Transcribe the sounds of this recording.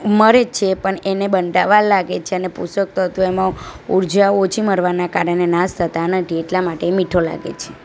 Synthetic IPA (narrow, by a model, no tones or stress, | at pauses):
məɾet͡ʃʰepəɳenebənɖaʋalːaɡet͡ʃʰeənepṵsək̚t̪oɦət̪ũemãuɾd͡ʒaot͡ʃʰiməɾʋanakaɾənenast̪ʰət̪anət̪ʰieʈlamaʈemiʈʰola̰ɡḛt͡ʃʰe